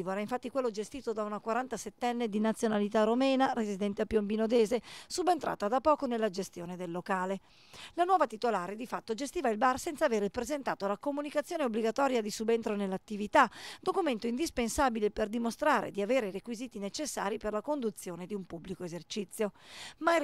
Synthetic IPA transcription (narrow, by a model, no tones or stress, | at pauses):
voɾaiɱfat̪ːikwelːod͡ʒest̪iːt̪od̪aunakwaɾant̪aset̪ːɛnːed̪inat̪sːjonalit̪aromɛːnaɾezid̪ɛnt̪eapːjombinod̪ɛːzesubent̪ɾa̰ːt̪ad̪apːɔːkonelːad͡ʒest̪joːned̪elːokaːle | lanwɔːvat̪it̪olaːɾed̪ifat̪ːod͡ʒest̪iːvailbarsɛnt̪saveːɾpɾezent̪aːt̪olakomunikat̪sːjoːneobːliɡat̪ɔːɾjad̪isubent̪ɾonelːat̪ːivit̪ad̪okument̪oind̪ispensabileperd̪imost̪ɾaːɾḛd̪iaveːɾerekwiziːt̪inet͡ʃesːa̰ːɾiperlakond̪ut̪sːjoːned̪iumpubːlikoezert͡ʃit̪sːjoma